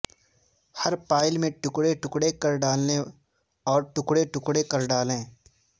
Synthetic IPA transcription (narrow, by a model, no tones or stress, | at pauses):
hɐɾpaːɪlmẽʈʊkɽeʈʊkɽekɐɾɖaːlne | ɔːɾʈʊkɽeʈʊkɽekɐɾɖaːlẽː